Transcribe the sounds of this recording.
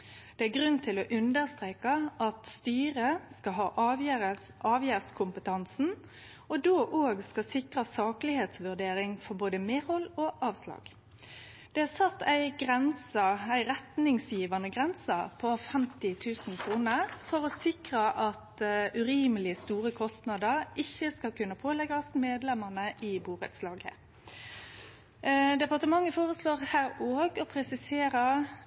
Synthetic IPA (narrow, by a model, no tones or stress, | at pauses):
d̪̥ɛæɡʁʉnt̪ʰɪlɔʔʉnd̪əʁst̪ʁeːkɑʔɑt̪st̪yːʁəskɑɦɑ̰ːʔʋə | ʔɑːʋjæːʁskʰʊmpət̪ʰɑnsn̩ | ɔd̪oːʔoːɡskɑsɪkʁɑsɑːklɪheːt̪sʋʉʁd̪eːɾɪŋfɔʁboːd̪əmeːhɔloʔɑːʋslɑ̰ːɡ̥ | d̪̥ɛæsɑt̪ːæɪɡʁɛnsɑæɪɾɛt̪nɪŋsjiːʋɑnəɡʁɛnsɑpʰɔfɛmt̪ɪt̪ʰʉːsn̩kʰɾuːnəʁfɔʁɔsɪkʁɑʔɑt̪ʉɾiːməlɪst̪uːʁəkʰɔst̪nɑd̪əʁɪçəskɑlkʉnːəpʰoːlɛɡɑsmeːd̪lɛməʁnəʔɪbuːʁə̰t̪slɑːɡə̰ | d̪ɛpɑʁt̪əmɑŋːəfoːʁəsloːʁhæːɾoːɡɔpʰɾɛsɪseːɾə